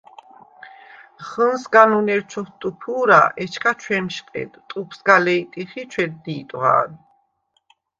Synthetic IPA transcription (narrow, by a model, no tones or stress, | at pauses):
χənsɡanunɛɾt͡ʃʰɔht̪ʼupʰuːɾa̰ɛt͡ʃʰkʰat͡ʃʰwɛmʃqʼɛ̰d̪t̪ʼupʰsɡalɛit̪ʼiχit͡ʃʰwɛd̪̚d̪iːt̪ʼʁa̰ːɾi